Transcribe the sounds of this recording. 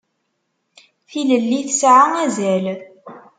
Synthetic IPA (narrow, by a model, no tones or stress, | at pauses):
θiləlːiθəsʕaæzæl